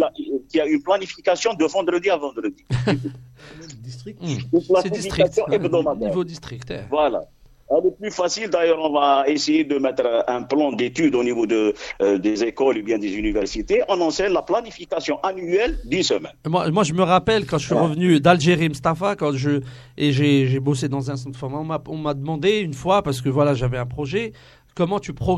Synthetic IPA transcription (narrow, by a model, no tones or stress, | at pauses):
laʔkiaynplanifikasjɔ̃d̪əvɑ̃d̪ʁəd̪iavɑ̃d̪ʁəd̪i | d̪ist̪implasɛdiisfit̪χiasjɔ̃ɛbd̪ɔmad̪ɛivod̪ist̪χikt̪ɛ̰vwala̰ | ɛlɛplyfasild̪ajœʁɔ̃vaesejed̪əmɛt̪ʁɛ̃plɑ̃d̪et̪yd̪onivod̪əd̪ezekɔlubjɛ̃d̪ezynivɛʁsit̪eʔɔ̃nɑ̃sɛnlaplanifikasjɔ̃ʔanyɛld̪ynsəmɛ̰nmwamwaʒəməʁapɛlkɑ̃ʒəsɥiʁəvnyd̪alʒeʁimust̪afakɑ̃ʒə | eʒeʒebosed̪ɑ̃zɛ̃sɑ̃t̪fɔʁmaɔ̃maɔ̃mad̪əmɑ̃d̪eynfwapaʁsə̥kəvwalaʒavɛɛ̃pχɔʒɛ | kɔmɑ̃t̪ypχɔ